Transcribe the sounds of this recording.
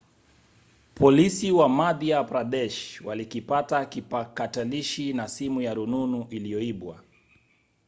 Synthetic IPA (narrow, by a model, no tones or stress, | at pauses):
pʰɔlisiwamaðiapɾaɗɛʃwalikipatakipakataliʃinasimujaɾununuʔilijɔiɓwa̰